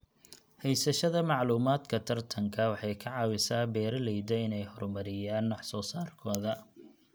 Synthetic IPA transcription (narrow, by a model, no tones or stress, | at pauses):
hɛjsɐʃɐðɐmɑʕluːmaːd̪kʰɐt̪ʰɐrt̪ʰɐŋkʰɐwɑħɑjkʰɐʕɑːwɪsaːbɛːɾɐlɛjd̪ɐɪnɛjhɔrmɐɾɪjaːnːɑħsɔːsaːrkʰɔːðɐ